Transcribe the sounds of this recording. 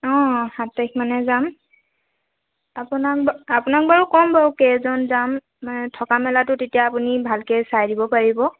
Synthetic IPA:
ɔ̃hatak̚manɛzam | apunak̚bapunak̚baɹukɔmbawkɛzɔnzamː | anɛtʰɔkamɛlatʊtetijaːpunibʱalkɛsajdibɔpaɹibɔ

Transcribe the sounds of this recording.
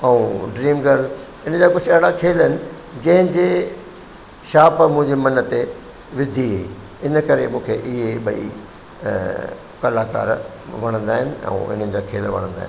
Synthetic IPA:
ɛũɖɾiːmɡəɾl | ɪnəd͡ʑaːkʊd͡ʑʰɐɦɪɽakʰeːlɦɪnɪ̆ | d͡ʑɐ̃ɦɪ̃d͡ʑeː | ʃaːpmũɦɪ̃ɲd͡ʑemɐnət̪e | ʋɪd̪ʱiɦi | ɪnəkɐɾemũːkʰeʔɪɦeɓɐḭ | kɐlaːka̰ːɾ | ʋɐɽ̃ə̃nd̪aːɦɪnɪ̆ɛ̰̃ːɪ̰n̤ənɪ̆d͡ʑaːkʰḛːlʋɐ̰ɽ̃ə̃nd̪a̰ːɦɪ̰nɪ

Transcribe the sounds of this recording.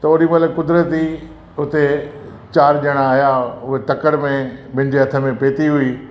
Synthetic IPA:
t̪ɐoːɗimɐləkʊd̪ɾət̪i | ʊt̪e | t͡ɕaːɾʄəɽ̃aːɦijaʊɦet̪ɐkəɽmẽbɪ̃ɪ̃̆d͡ʑeɦɐt̪ʰə̆mẽpeːt̪iɦʊi

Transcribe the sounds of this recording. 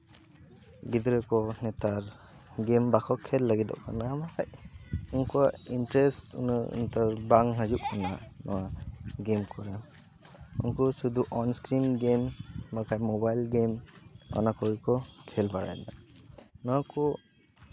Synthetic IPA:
ɡid̪ɾɯkɔnɛt̪aɾ | ɡembakʰɔkʰelːaɡid̪ɔ̰ʔkʰa̰naamakʰajunkuaintɾestṵnɯ̰nt̪aɾbaŋɦazuʔ̚ɔnanɔ̰waɡemkʰɔɾa | ṵŋkɔsud̪uʔɔnskɾimɡembakʰajmɔbajlɡemɔ̰nakʰɔɡikɔkʰɛlbaɽa̰jnanɔwakʰɔ

